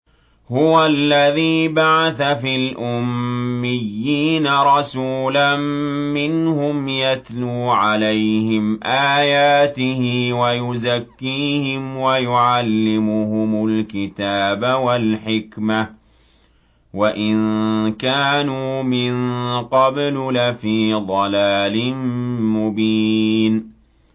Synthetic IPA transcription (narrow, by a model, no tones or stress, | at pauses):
hʊwalːaðiːbaʕaθafilʔʊmːɪjːiːnaɾˤɑsuːlamːɪnhʊmjat̪luːʕalajhɪmʔaːjaːt̪ɪhɪwajʊzakːiːhɪmwajʊʕalːɪmʊhʊmʊlkɪt̪aːbawalħɪkma | waʔɪnkaːnuːmɪnqɑbllafiːd̪ˤɑlaːlɪnmʊbiːn